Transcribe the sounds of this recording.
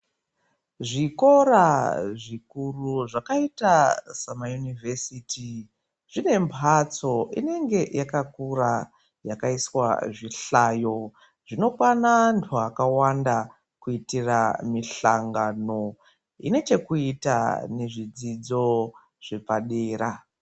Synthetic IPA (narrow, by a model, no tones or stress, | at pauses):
ʐiko̞ɾaʐikuruʐakaitasamajunivʱesiti | ʐ̥ine̞mpʰat͡so̞ʔine̞ŋɡe̞jakakura | jakaiswa̰ʐiɬajo̞ | ʐino̞kwanantʰuakawanda | kuitiramiɬaŋɡano̞ | ḭne̞t͡ʃe̞kuita̰ne̞ʐid͡zid͡zo̞ | ʐ̥e̞paɗeːɾa